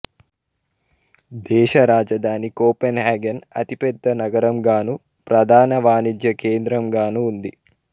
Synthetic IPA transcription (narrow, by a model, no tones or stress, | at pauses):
d̪ɛːʃɐɾaːd͡ʒɐd̪ʱaːnikoːpenɦaːɡenɐt̪ipɛd̪ːɐnɐɡɐɾɐmɡaːnu | pɾɐd̪ʱaːnɐʋaːnid͡ʒ̪ʱjɐkeːnd̪ɾɐmɡaːnuːnd̪i